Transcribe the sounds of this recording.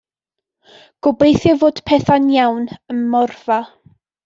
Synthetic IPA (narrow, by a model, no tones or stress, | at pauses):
ɡ̥ʊbejθjavoːd̥pʰɛθanjawnəmmɔrva